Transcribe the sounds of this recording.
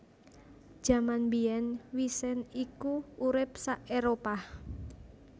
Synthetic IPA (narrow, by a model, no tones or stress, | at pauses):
d̥ʒ̥a̤manbiɛnwisɪnikuuɾɪp̚saʔeɾopah